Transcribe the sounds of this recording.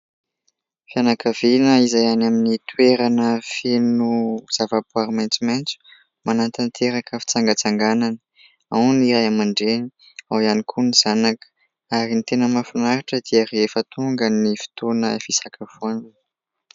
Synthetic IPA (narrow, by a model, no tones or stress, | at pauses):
fianakavinəizajanaminit̪ueɾanəfenuz̥avapuaɾimant͡sumejnt͡su̥ | manant̪ant̪ʰeɾakəfi̥t͡saŋɡət͡saŋɡananə̥ | a̰niɾajamaɳɖ͡ʐeni | awianikʰuniz̥anakə̥ | aɾinit̪enəmafinaɾaʈ͡ʂəd̪̥iərefət̪uŋɡənifi̥t̪onəfisakʰav̥uanin